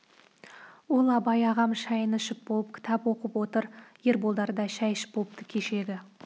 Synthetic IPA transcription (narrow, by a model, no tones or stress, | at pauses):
wolˠɑbɑjɑʁɑmʃɑjənəʃɪp̚bo̞lˠəp̚kʲʰɪ̥t̪ʰɑpwo̞qəpwo̞t̪əɾje̞ɾbolˠd̪ɑɾd̪ɑʃæjɪʃɪ̥p̚bo̞lˠəp̚t̪əkʲʰeʃe̞ɡʲɪ